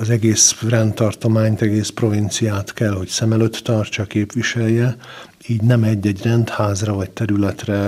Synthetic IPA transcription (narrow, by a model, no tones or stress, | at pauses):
ɒzɛɡeːsrɛnt̪ːɒrt̪omaːɲt̪ɛɡeːspro̞vint̪sijaːt̪kɛlho̞csɛmɛløt̪ːɒrt͡ʃɒkeːpʋiʃɛlːɛ | iːɟnɛmɛɟːɛɟrɛnt̪haːzrɒvɒct̪ɛɾylɛt̪rɛ